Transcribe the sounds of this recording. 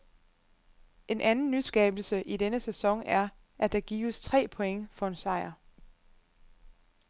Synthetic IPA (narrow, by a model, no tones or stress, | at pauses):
ʔe̝nʔænn̩ːysɡ̥ɛːb̥l̩səʔidenəsesɒ̽ŋ̰æɐ | ʔæd̥ɑ̈ɡ̥ḭːʋəst͡sʰʁɛ̰ːpʰo̽eŋəfɒ̽e̝nsɑ̈ɪɐ